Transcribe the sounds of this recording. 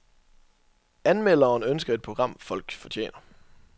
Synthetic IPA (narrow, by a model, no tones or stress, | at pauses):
ænmel̰ɐːnønsɡ̥ɐe̝d̚pʰo̝ɡ̥ʁɑ̈m̰fɒ̽l̰ɡ̥fɒ̽t͡ɕʰḛːnɐ